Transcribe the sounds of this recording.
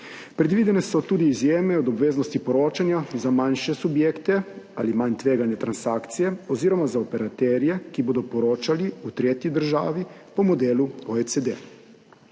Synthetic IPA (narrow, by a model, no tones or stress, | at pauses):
pɾɛd̪ʋiːd̪ɛnɛsɔt̪uːd̪iːzjeːmɛɔd̪ɔbʋeːznɔst̪ipɔɾoːt͡ʃanjazamanʃɛsubjeːkt̪ɛa̰ːlimaɲt̪ʋeːɡanjɛt̪ɾansaːkt̪sijɛɔziːɾɔmazaopɛɾat̪ɛɾjɛkiboːd̪ɔpɔɾoːt͡ʃaliut̪ɾeːt̪jid̪əɾʒa̰ːʋipɔmɔd̪eːluoet̪sed̪ḛ